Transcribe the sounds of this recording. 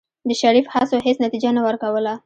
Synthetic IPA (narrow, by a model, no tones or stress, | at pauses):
d̪əʃaɾifhasoɦesnat̪id͡ʒanawəɾkawəla